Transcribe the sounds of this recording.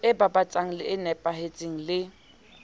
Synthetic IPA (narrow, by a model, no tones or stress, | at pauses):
ɪbabat͡sʼaŋ̩lɪːnɛpʼaɦet͡sʼeŋ̩lɪ